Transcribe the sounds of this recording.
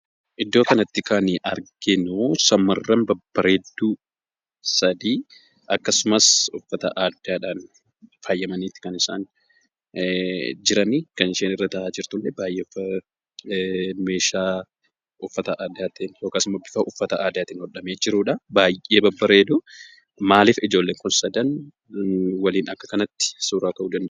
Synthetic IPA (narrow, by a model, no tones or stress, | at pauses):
ʔɪd̪ːo̞ːkɐnɐt̪ːɪkaːnɪʔɐɾɡɪnosɐmːɐrːɐmbɐbːɐɾe̞ːd̪ːu | sɐd̪iː | ʔɐkːɐsʊmɐsʊfːɐt̪ɐ̰ʔaːd̪ɪaːᶑaːn | faːjːɐmɐniːt̪ːɪ̥kɐnɪsaːn | d͡ʒɪɾɐnikɐnɪʃeːnɪrːɐt̪ɐaːd͡ʒɪɾt̪ʊlːɛbaːjʔeːfɐ | me̞ːʃaː | ʊfːɐt̪ɐʔaːd̪ɪjaːt̪injoːkasʊmɐbɪfɐʔʊfːɐt̪ɐʔaːd̪ɪaːt̪ɪŋɡɔᶑɐmeːd͡ʒɪɾuːᶑɐbaːjʔe̞ːbɐbːɐɾeːd̪ʊ | maːlɪfɪd͡ʒo̞ːlːe̞ːŋkʊnsɐd̪ɐn | wɐliːnɐkːɐkɐnɐt̪ːɪ̥suːɾaːkɐʔud͡ʒɐnː